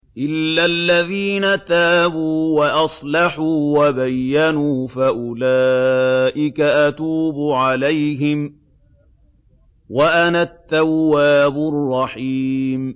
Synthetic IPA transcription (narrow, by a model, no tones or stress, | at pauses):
ʔɪlːalːaðiːnat̪aːbuːwaʔɑsˤlɑħuːwabajːanuːfaʔʊlaːʔɪkaʔat̪uːbʊʕalajɦɪm | waʔanat̪ːawːaːbʊrˤːɑħiːm